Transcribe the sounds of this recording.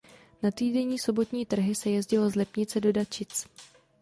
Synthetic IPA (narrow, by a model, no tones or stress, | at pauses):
nat̪iːdɛɲiːso̞bo̞t̪ɲiːt̪r̩ɦɪsɛjɛzɟɪlo̞zlɛpɲɪt͡sɛdodat͡ʃɪt͡s